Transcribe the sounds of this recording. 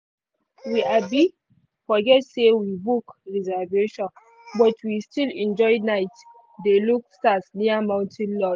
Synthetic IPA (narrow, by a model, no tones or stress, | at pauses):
wiʔabi | fɔɡɛtsewibukɹizaveʃɔ̃n | bɔtʰwistilɛ̃nd͡ʒɔɪnaɪt | deluk̚stasniamãʊ̃ntʰɛ̃nlɔ